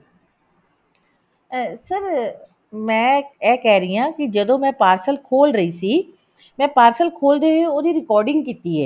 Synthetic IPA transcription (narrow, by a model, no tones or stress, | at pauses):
səɾ | mɛ̃ːɛːkɛɦɾɐɦiãːkid͡ʒɐd̪õːmɛ̃ːpaːɾsəlkʰoːlɾɐisi | mɛ̃ːpaːɾsəlkʰoːld̪eɦeoːd̪iɾɪkɔːɾɖɪ̃ŋɡkiːt̪iɦɛ̰ː